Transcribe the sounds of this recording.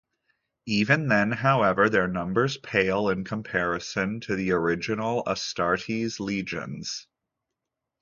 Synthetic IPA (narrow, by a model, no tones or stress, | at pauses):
ivɨ̃nðɨ̃nɦaʊɛvə˞ðə˞nʌ̃mbə˞z̥pʰeɪlˠɪ̃nkʰə̃mpʰɛɹɨsɨ̃ntʰɨðiə˞ɪd͡ʒɨnl̩ˠə̰stɑɹɾizlid͡ʒɨ̰̃nz̥